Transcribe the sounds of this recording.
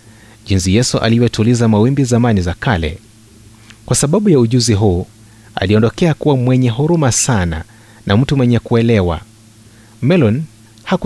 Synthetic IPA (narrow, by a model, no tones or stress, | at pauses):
ʄinsijɛsuʔa̰liwɛtulizamawimbizamanizakalɛ̰ | kwʔasaɓaɓujauʄuziɦuː | a̰liɔndɔkɛakuwamwɛɲɛɦuɾumasana̰ | nʔam̩tumwɛɲɛkuɛlɛwa̰ | mɛlɔn | hak